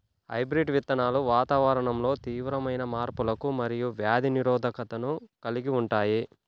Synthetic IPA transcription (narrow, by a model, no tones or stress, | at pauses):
ɦɐ̰jbɾiɖʋit̪ːɐnaːluʋaːt̪aːʋɐɾɐɳɐmlo̞ːt̪iːʋɾɐmɐjnɐmaːɾpulɐkumɐɾijuʋjaːd̪ʱiniɾɔːd̪ʱɐkɐt̪ɐnukɐliɡiuɳʈaːji